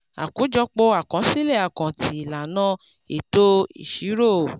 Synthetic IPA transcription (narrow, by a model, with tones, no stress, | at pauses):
a̰˨kũ˨˦d͡ʒɔ˧k͡po˧a˨kã˨˦si˦le˦˨a˨kã˨tʰi˨˦i˨la˨nã˦ | ḛ˨to˦ḭ˨ʃi˨˦ɾo˦˨